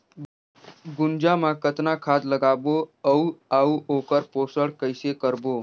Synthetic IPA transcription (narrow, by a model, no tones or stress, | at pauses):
ɡund͡ʒamãkət̪nakʰad̪ləɡaboəuauʔokəɾposəɽkəjsekəɾboː